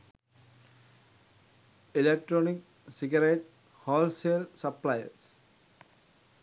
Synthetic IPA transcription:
ilek̚ʈɾonik | siɡaɾeʈ | hɔːlselsəplajə̰ɾs

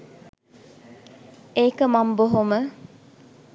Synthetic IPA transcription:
eːkəmamboɦomə

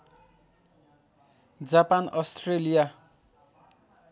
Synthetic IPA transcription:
d͡zapanʌstrelija

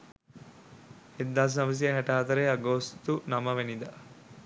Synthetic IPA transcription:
ed̪ːaːs̬nɐʋɐs̬ijɐɦɛʈaːt̪ɐɾeɐɡost̪unɐmɐʋenid̪a

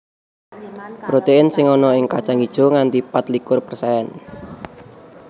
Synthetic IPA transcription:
pɾot̪eɪnsɪŋɔnɔɪŋkat͡ʃaŋid̥ʒ̥ɔ̤ŋant̪ipat̪likʊrpərsaɛn

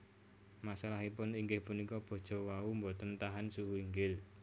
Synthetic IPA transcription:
masalaɦipʊniŋɡɪhpunikɔb̥o̤d̥ʒ̥ɔ̤waumbot̪ənt̪aɦansuɦuiŋɡɪl

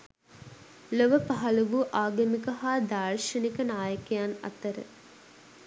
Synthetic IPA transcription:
loʋəpaɦɐluʋuʔaːɡɐmikəɦaːd̪aːɾʃɐnikənaːjəkejanɐ̰t̪əɾə̰

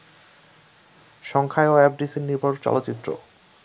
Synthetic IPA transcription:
ʃɔŋkʰaeoɛp̚ɖisiɾniɾbʱoɾt͡ɕɔ̰lot̪ːɕit̪ːɾo̰

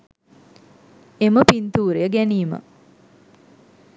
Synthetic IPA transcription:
eməpint̪uːɾejəɡæniːmə̰

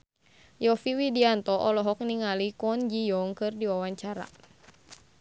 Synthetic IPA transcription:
jɔfiwidiant̪ɔʔɔlɔɦɔk̚niŋalikɔnd͡ʒijɔŋkɨrdiwawaɲt͡ʃaɾa̰

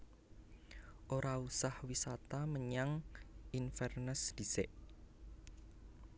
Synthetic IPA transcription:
ʔoɾausahwisat̪aməɲaŋʔinfɛrnəsd̪̥i̤seʔ

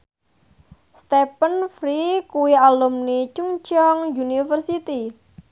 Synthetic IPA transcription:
st̪ɛpənfɾikuwialumnit͡ʃuŋt͡ʃɔŋjunifərsit̪i

